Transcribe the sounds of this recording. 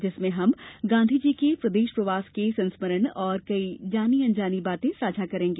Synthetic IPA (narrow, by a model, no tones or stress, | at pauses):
d͡ʒɪsmẽɦɐmɡãːnd̪ʱid͡ʒiːkepɾɐd̪eːʃpɾɐʋaːskesɐ̃nsməɾənɔːɾkɐid͡ʒaːniɐ̃nd͡ʒaːnibaːt̪ẽsaːd͡ʒʱakɐɾẽːŋɡeː